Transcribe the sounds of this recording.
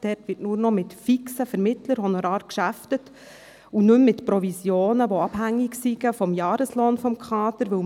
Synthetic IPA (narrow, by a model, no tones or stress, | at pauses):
d̥ɛtʋɪtnuːɾnɔmɪtfiksəfɛɾmɪtləɾhɔnoɾɑːɾkʃæftət | unʉmːɪtpɾɔvisjoːnəʋoɑb̥hæŋːɪksiɡ̥əfɔmjɑːɾəsloːnfɔmkʰχɑːtəɾʋɵ